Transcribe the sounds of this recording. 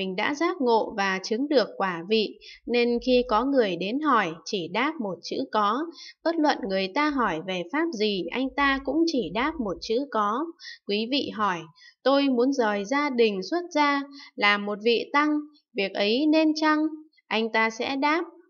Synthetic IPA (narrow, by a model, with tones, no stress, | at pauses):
mï˨˩ŋ̟ɗa̰ː˧˥zaː˦˥k̚ŋo̰˧˨vaː˨˩t͡ɕɨ˨˦ŋɗɨ˨˩əkːwaː˧˩vḭ˧˨ne˧nxi˧kɔ˨˦ŋɨ˨˩əjɗe˨˦nɦɔ˧˩jt͡ɕi˧˩ɗaː˦˥p̚mo˨˩t̚t͡ɕɨ̰˧˥kɔ˨˦ɓə˦˥t̚lwə̰˧˨nŋɨ˨˩əjt̪aː˧ɦɔ˧˩jve˨˩faː˦˥p̚zi˨˩ʔa˧jŋ̟t̪aː˧kʊ̰˧˥ŋ͡mt͡ɕi˧˩ɗaː˦˥p̚mo˨˩t̚t͡ɕɨ̰˧˥kɔ˨˦kwi˨˦vḭ˧˨ɦɔ˧˩jt̪o˧jmu˨˦ənzəː˨˩jzaː˧ɗï˨˩ŋ̟swə˦˥t̚zaː˧laː˨˩mːo˨˩t̚vḭ˧˨t̪a˧ŋ | vi˨˩ək̚ʔə˨˦jne˧nt͡ɕa˧ŋ | ʔa˧jŋ̟t̪aː˧sɛ̰˧˥ɗaː˦˥p̚